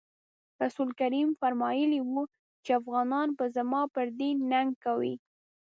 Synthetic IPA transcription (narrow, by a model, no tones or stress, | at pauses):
ɾasulkaɾimfaɾmɑjəliwu | t͡ʃeafɣɑnɑnpəzamɑpəɾd̪enaŋɡ̚kawḭ